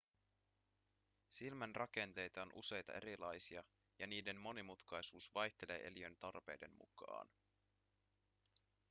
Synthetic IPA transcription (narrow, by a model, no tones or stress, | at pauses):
silmænrʔɑke̞nt̪e̞jt̪ɑo̞nʔṵse̞jt̪ɑ̰ʔe̞ɾilɑjsiɑ | jɑniːde̞nmo̞nimut̪kɑjsuːsʋɑjçt̪e̞le̞̰ːʔe̞̰liø̞nt̪ɑrpe̞̰jde̞̰nmṵkɑ̰ːn